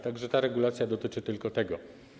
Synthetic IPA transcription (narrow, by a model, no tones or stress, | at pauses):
t̪aɡʐɛt̪aɾɛɡulat̪sʲjad̪ɔt̪ɘt͡ʂɘt̪ɘlkɔt̪ɛɡɔ